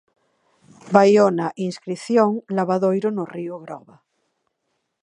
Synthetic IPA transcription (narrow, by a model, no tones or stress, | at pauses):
bajonaʔinskɾiθjõŋlaβ̞aðojɾonorioɣɾɔ̰βa